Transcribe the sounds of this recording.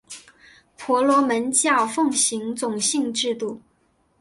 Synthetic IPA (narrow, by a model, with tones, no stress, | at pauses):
pʰɔ˧˥lwɔ˧˥mə˧˥nt͡ɕjɑ˥˩ʊfɤ˥˩ŋɕi˧˥ŋt͡sʊ˨˩ŋɕi˥˧ŋʈ͡ʂɻ̩˥˧t̪u˥˩